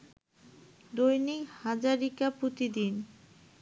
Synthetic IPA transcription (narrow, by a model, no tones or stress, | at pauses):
d̪ojnijhad͡ʑaɾikapot̪id̪in